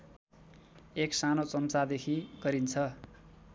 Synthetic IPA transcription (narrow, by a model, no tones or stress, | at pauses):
eksanot͡sʌmt͡sad̪ekʰiɡ̥ʌɾint͡sʰʌ